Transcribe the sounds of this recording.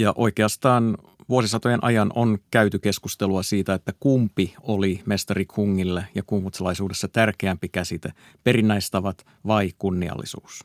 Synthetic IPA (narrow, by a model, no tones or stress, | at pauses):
jɑʔo̞jke̞ɑst̪ɑːn | ʋuosisɑt̪o̞jenʔɑ̰jɑnʔonkæyt̪yke̞skust̪e̞luɑsiːt̪æet̪ːækumpiolime̞st̪ɑrikʰuŋːilːejɑkumʋut̪selɑjsuːdesːɑt̪ærkeæmpikæsit̪e | pe̞ɾinːæjst̪ɑʋɑt̪ | ʋɑikunːiɑ̰lːḭsṵːs